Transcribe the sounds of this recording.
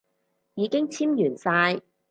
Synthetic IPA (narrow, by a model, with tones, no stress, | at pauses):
jiː˨˧kɪ˥ŋt͡sʰiː˥mjyː˨˩nsaː˧j